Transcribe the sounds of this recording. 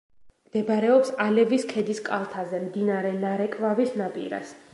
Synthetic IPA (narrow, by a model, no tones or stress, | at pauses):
md̪̥ɛbɾɛɔpsalɛviskʰɛd̪iskʼalˠt̪ʰazɛmd̪inaɾɛnaɾɛkʼvavisnapʼḭɾa̰s